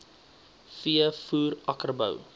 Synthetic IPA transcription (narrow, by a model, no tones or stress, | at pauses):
fiəfuːrɐkərbə̰w